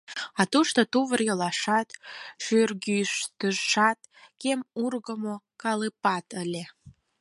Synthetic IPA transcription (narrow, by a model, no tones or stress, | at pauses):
ɑt̪uʃt̪ot̪uβərjəlɑʃɑt̪ʃyrɡyʃt̪əʃɑt̪̚ | kemurɣəmo | kɑlɨpɑt̪əlʲe